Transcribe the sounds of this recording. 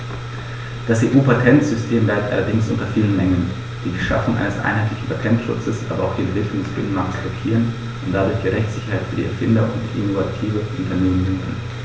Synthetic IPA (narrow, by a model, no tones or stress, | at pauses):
d̥asʔeːʔuːpʰatʰɛntz̥ʏstʰeːmlaɪp̚tʔa̰lɐdɪŋsʔʊntɐfiːlənmɛŋən | d̥iːdiːʃa̰fʊŋʔa̰ɪnəsʔa̰ɪnɦaɪtlɪçn̩pʰatʰɛntʃʊ̰t͡səsʔa̰ːbɐʔaʊxd̥iːɛnvɪkʰlʊŋdəsb̥ɪnənmaktəsb̥lɔkʰiːʁən | ʔʊnt̚d̥adʊɐçd̥iːʁɛçtt͡sz̥ɪçɐhaɪtfyːɐdḭːʔɛɐfɪndɐʊntiʔɪnovatʰiːvəʔʊntʰɐneːmənɪndən